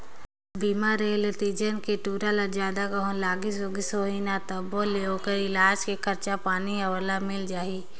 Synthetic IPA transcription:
biːmaɾeːlet̪iːd͡ʒənkeʈuːɾalad͡ʒjaːd̪akəɦõlaːɡɪsoɡɪsoːɦinat̪əboleoːkəɾɪlaːd͡ʒkekʰɐɾt͡ʃapaːniɐʋəlamɪld͡ʒaːiː

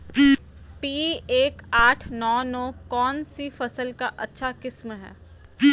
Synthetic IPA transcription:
piːeːkaːʈʰnɔːnɔːkɔːnsifɐsəlkaʔɐtːʃʰakɪsmɦɛ̰ː

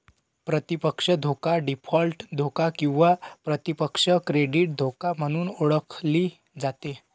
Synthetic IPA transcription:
pɾət̪ipəkʂəd̪ʱokaɖipʰɔlʈd̪ʱokakĩw̃ʋapɾət̪ipəkʂəkɾeɖiːʈ̚d̪ʱokam̤əɽ̃uːnoɭəkʰliː | d͡zat̪e

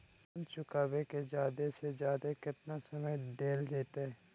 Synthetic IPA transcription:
bɐnt͡ʃʊkaːbeked͡ʒjaːd̪esed͡ʒjaːd̪ekɪt̪nasɐməjd̪eːld͡ʒeːt̪aɦɛː

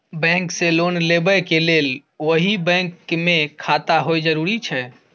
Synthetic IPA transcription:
bɛ̃ŋkselonlebɛkelel | oɦibɛ̃ŋkmekʰat̪aɦojd͡ʒəɾuɾit͡ʃʰɛ

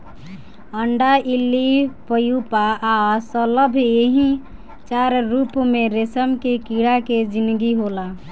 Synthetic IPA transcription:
əɳɖaʔilːipəjupaːsələbʱeɦĩ | t͡ʃaɾɾupmeɾesəmkekiɽaked͡ʒind̪ɡiɦola

